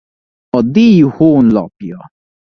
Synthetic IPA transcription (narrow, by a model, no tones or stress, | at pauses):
ɔd̪ihonlɔ̰pjɔ